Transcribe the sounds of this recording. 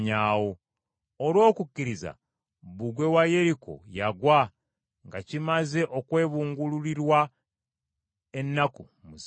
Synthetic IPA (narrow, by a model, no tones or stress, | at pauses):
ɲaːwoː | lwo̞ːkucːiɾiza̰ | βuɡwe̞waje̞ɾikʰo̞̰jaɡwa | ŋɡacimaze̞ʔo̞kwe̞ːβuːŋɡululiɾwa | e̞nːaku | muz